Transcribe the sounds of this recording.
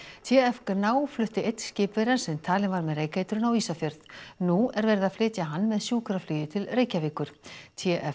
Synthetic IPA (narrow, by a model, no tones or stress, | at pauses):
t̪ʰɛɛfknaːwflʏht̪ɪʔejt̪n̥scɪːpveɾansɛmt̪ʰaːlɪnvaɾmɛðreːjkejt̪ʏɾʏnawiːsafjœɾðnuɛɾvɛːɾɪðaðflɪːt̪jaɦanːmɛðsjuːkɾaflyːjɪt̪ʰɪlreːjcaviːkʏɾ̥t̪ʰɛʔɛ